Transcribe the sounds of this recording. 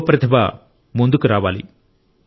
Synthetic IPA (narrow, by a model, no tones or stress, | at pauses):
pɾɐt̪ʰɐbɐ | mund̪ukuɾaːʋaːlḭ